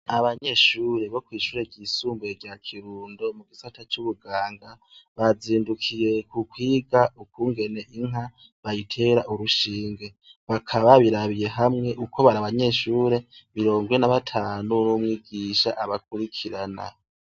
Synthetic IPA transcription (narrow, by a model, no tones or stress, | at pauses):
aβaɲe̞ːʃuːɾe̞βo̞kwiːʃuːɾe̞ɟisuːmbweɡɟakʰiɾuːndo̞muɡisatʰat͡ʃuβuɡaːŋɡa | βaziːndukʰije̞kukwiːɡaukuːŋɡe̞ne̞ʔiŋ̥ɦa | βajitʰe̞ːɾaʔuɾuʃiːŋɡe̞ | βakʰaβaβiɾaβije̞ɦamŋe̞ʔukʰo̞βaɾaβaɲe̞ːʃuːɾe̞βiɾo̞ːŋɡwenaβatʰaːnunumŋiːɡiʃaʔaβak̚uɾikʰiɾana̰